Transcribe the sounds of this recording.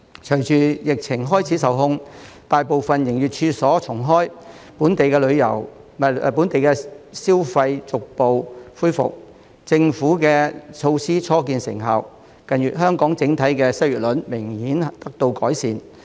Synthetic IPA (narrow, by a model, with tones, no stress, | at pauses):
t͡ʃʰɵ˨˩jt͡ʃyː˨˧jɪ˨k̚t͡sʰɪ˨˩ŋɦɔː˥jt͡sʰiː˨˥sɐ˨wɦʊ˥ŋ | t̪aː˨jpo˨wfɐ˨njɪ˨˩ŋjyː˨t̚t͡ʃʰyː˧sɔː˨˥t͡sʰʊ˨˩ŋɦɔː˥j | puː˨˥nt̪e˨jkɛː˧lɵ˨˧ɥjɐ̰˨˩w | mː˨pu˨˥nt̪e˨jkɛː˧siː˥wfɐ˧jt͡sʊ˨k̚po˨wfuː˥jfʊ̰˨k̚ | t͡sɪ˧ŋfuː˨˥kɛː˧t͡ʃʰo˧wsiː˥t͡sʰɔː˥k̬iː˧nsɪ̰˨˩ŋɦaː˨w | kɐ˨njyː˨˩t̚ɦœː˥ŋkɔː˨˥ŋt͡sɪ˨˥ŋt̪ʰɐ˨˥jkɛː˧sɐ˥jyː˨˩t̚lɵ˨˥nmɪ˨˩ŋhiː˨˥nt̪ɐ˥k̚t̪o˧wkɔː˨˥jsiː˨˧n